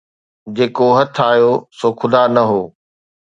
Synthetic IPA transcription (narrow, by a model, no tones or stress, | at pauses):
d͡ʑeːkoɦɐt̪ʰaːɦijosoːkʰʊd̪anɐɦoː